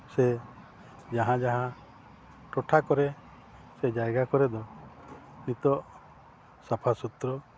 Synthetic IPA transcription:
se | d͡ʒaɦãd͡ʒaɦã | ʈɔʈʰakɔɾe | sed͡ʒajɡakɔɾed̪ɔ | nit̪ɔ | sɔpʰasut̪ɾɔ

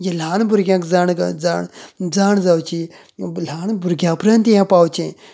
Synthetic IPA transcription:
jelaːnbʊɾɡʲjãːkzanɡd͡zaːd͡zaːnzawt͡ʃi | laːnbuɾɡʲjãːpɾãnt̪jãpaːwt͡ʃẽ

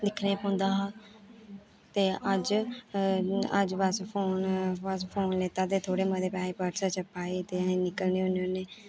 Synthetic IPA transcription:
d̪ɪkʰnẽːpõnd̪aːɦa | t̪eːəd͡ʒ | ə̰d͡ʒʋəspʰoːnʋəs̬pʰoːnleːt̪aːt̪eːt̪ʰoːɽeːməd̪eːpɛːeːpəɾsat͡ʃəpaːeːt̪eaenɪkəlneːoneːonːeː

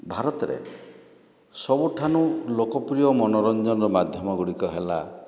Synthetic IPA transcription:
bʱaɾɔt̪ɔɾḛ | sɔbuʈʰanulokɔpɾijɔmɔnɔɾɔnd͡ʒɔnɔɾɔmad̪ʱjɔmɔɡuɽikɔɦela̰

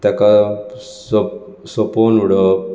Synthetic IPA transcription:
t̪aka | so | sɔponuɽə

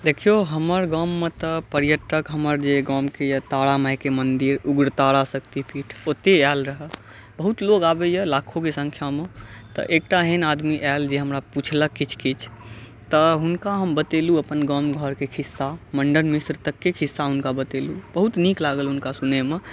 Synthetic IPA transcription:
d̪ekʰijoɦəməɾɡɔːmːet̪əpəɾjəʈəkɦəməɾd͡ʒeɡɔmkejət̪aɽamajkemənd̪iɾuɡɾt̪aɽasəkt̪ipʰiʈʰot̪eɛlɾəɦə | bəɦut̪loɡaːbejəlaːkʰokesə̃ŋkʰjamet̪ə̰ʔek̚ʈaɦenad̪miʔɛld͡ʒeɦəmɾaput͡ʃʰləkːit͡ʃʰkit͡ʃʰ | t̪əɦʊnkaɦəmbət̪eluəpənɡɔmɡʱəɾkekʰisːaməɳɖənmisɾt̪əkːekʰisːaɦunkabət̪elubəɦut̪niklaɡəlɦʊnkasuneme

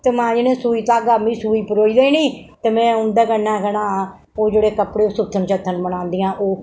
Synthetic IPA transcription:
t̪eːmãːd͡ʒenẽːsuːiːt̪aːɡaːmĩːsuːiːpəɾoːiːɾeiːniːt̪eːmɛ̃ːʊnd̪aːkənaːkənaː | oːd͡ʒeːɽeːkəpɽeːoːsʊt̪ʰːənt͡ʃət̪ʰːənbənãːnd̪iːãːʔoː

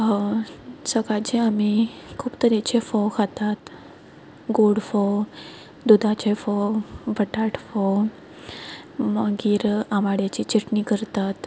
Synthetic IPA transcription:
səɡad͡ʑeamikʰuːpt̪əɾat͡ɕefɔwkʰat̪at̪ | ɡoɽfɔ | d̪ud̪ʱãt͡ɕefɔwbʱəʈaʈfɔw | məɡiːɾamaɽat͡ɕit͡ɕiʈnikəɾt̪at̪

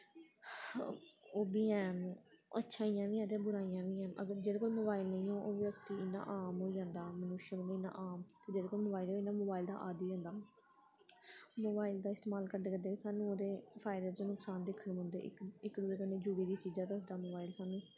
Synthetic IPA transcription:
oːbiːɛ̃ːə̰tːʃʰãːijãːʋĩːɦɛ̃ːt̪eːbʊɾaːijãːʋiːɦɛ̃ːʔə̰ɡəɾd͡ʒeːd̪eːkoːiːmoːbaːɪlnəĩːõːʔoːʋək̚t̪iːɪnːa̰ːʔaːmɦoːiːd͡ʒãːnd̪aːmənuːʃənõːnɪnã̰ːʔaːmkd͡ʒeːdeːkoːiːmoːbaːiːloːɪnaːmoːbaːɪld̪a̰ːʔaːd̪iːd͡ʒãːnd̪aː | moːbaːɪld̪aːɪst̪eːmaːlkəɾd̪eːkəd̪eːiːsaːnũːoːd̪eːpʰaːɪd̪aːt̪oːnʊksaːnd̪ɪkʰəɳʊ̃nd̪eːɪ̰ɪkd̪ʊeːkəneːd͡ʒuːɽiːd̪iːt͡ʃiːd͡ʒaːt̪ãːsdaːmoːbaːɪlsaːnũː

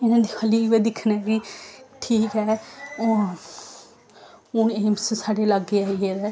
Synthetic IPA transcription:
ɪnãːd̪iːkʰəliːʋeːd̪ɪkʰnɛːkiʈʰiːkɦɛː | ʊneːmssaːɖeːləɡːeːaːieːɾɛː

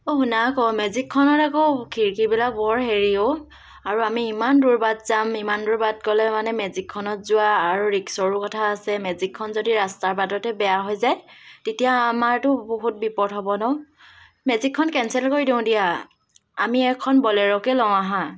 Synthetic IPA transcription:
oɦunakɔmɛzikʰːɔnɔtakokʰiɹkibilak̚bɔɹɦeɹio | aɹuamiːmanduɹbadzamimanduɹbad̚kɔlɛmanɛmɛzikʰːɔnɔtzʊaːɹuɹiksɔɹukɔtʰaːsɛmɛzikʰːɔnzodiɹastaɹbadɔtɛbɛjaɦɔjzajtetijamaɹtʊboɦut̚bipɔtɦɔbɔnɔ | mɛzikʰːɔnkɛnsɛlkoɹidiʊ̃dija | a̰miɛkʰɔnbɔlɛɹɔkɛlɔwaɦã

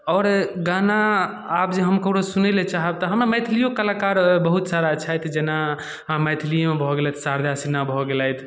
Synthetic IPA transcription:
ɔːɾɡanaː | pd͡ʒeɦəmkəɽosunɛlet͡ʃaɦəb̚t̪ɔɦəmɾamɛjt̪ʰlijokəlakaɾbəɦut̪saɾat͡ʃʰajt̪ʰd͡ʒena | mət̪ʰilijemebʱɔɡelɛt̪ʰsaɾd̪ʱasinːabʱɔɡelɛjt̪ʰ

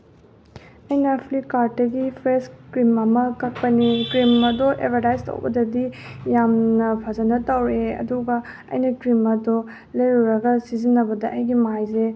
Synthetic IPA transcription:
ɐjnɐpʰlikaɾtːɐɡipʰɾeskɾimɐmɐkɐk̚pɐnikɾimɐdoʔḛpʰɐɾtajztɐ̰wbɐ̰dɐdijamnɐpʰazɐnɐtɐwɾeɐ̰duɡɐ | ɐ̰jnɐkɾimɐdo | lɐjɾuɾɐɡɐsizinːɐbɐdɐʔɐjɡimajze

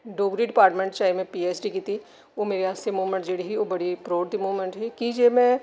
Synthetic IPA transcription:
ɖoːɡɾiɖɪpaːɾʈmẽɳʈt͡ʃaːɪmẽpiːeːsɖikit̪i | oːmeːɾeɦaːssemuːʋmə̃ɳʈd͡ʒeːɽiɦioːbɐɽipɾoːɽt̪imuːʋmẽɳʈɦɛkid͡ʒeːmɛ̃

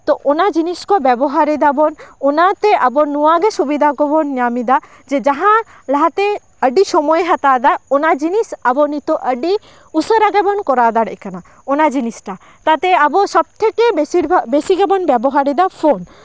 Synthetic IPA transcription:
t̪oʔonad͡ʒiniskɔbɛboɦaɾid̪abononat̪eʔabonuwaɡeʃubid̪ʱakobonjamid̪a | d͡ʒed͡ʒaɦã | laɦat̪e | əɖiʃɔmɔeɦat̪ad̪aonad͡ʒinisabonit̪oʔəɖi | usəɾaɡɛbɔnkɔɾad̪aɽḛkana | onad͡ʒinisʈa | t̪at̪eaboʃɔb̚t̪ʰekebesiɾbʱabesiɡɛbɔnbɛboɦaɾid̪afʰon

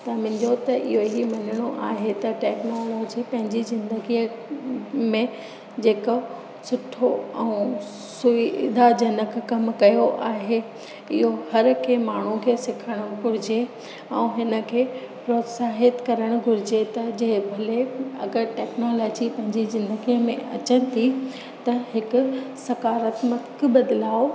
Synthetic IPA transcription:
t̪ɐmɪ̃nd̪ot̪ɐʔɪ̰ɦoɦimɐnəɽ̃oʔaːɦet̪ɐʈɛːknoːloːd͡ʑipɐ̃ɦɪ̃ɲd͡ʑizɪ̃nd̪əɡi | mẽ | d͡ʑeːkə | sʊʈʰoɛ̃ː | sʊʋɪd̪ʱad͡ʑɐnəkkɐmkɐjoʔaːɦe | ɪ̰ɦohɐɾkʰemaːɳ̤ũkʰeːsɪkʰəɽ̃ɡʱʊɾɪd͡ʑe | ɛ̃ːɦɪnə̆kʰeː | pɾoːt̪saːɦɪt̪kɐɾəɽ̃ʊɡʱʊɾɪd͡ʑet̪ɐd͡ʑɐɦɪbʱɐleɐɡəɾʈɛːknoːlɔːd͡ʑipɐ̃ɦɪ̃ɲd͡ʑizɪ̃nd̪əɡijəmḛ̃ɐ̰t͡ɕənɪ̆t̪ʰi | t̪ɐɦɪkʊ̆sɐkaːɾət̪mɐk̆bɐd̪laːo

